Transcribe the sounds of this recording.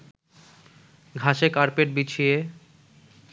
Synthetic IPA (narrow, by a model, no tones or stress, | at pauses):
ɡʱaʃekaɾpeʈ̚bit͡ɕʰije